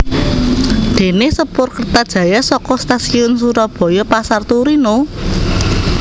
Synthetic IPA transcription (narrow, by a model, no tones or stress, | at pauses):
d̪̥e̤nesəpʊrkərt̪ad̥ʒ̥ä̤jasɔkɔst̪asiʊns̬uɾɔb̥ɔ̤jɔpasart̪uɾino